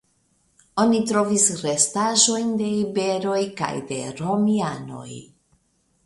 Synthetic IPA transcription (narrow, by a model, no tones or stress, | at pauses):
o̞nitɾo̞visɾestaʒo̞jnde̞ibe̞ɾo̞jka̰jde̞̰ɾo̞miano̞̰j